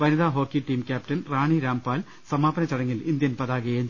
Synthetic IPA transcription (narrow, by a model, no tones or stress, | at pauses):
ʋɐniðaːɦo̞ːkːiʈːiːmkʲaːptɐnraːɳiɾaːmpaːl | sɐmaːbɐnɐt͡ɕːɐɽɐŋːilind̪jɐnpɐðaːɡɐjeɲ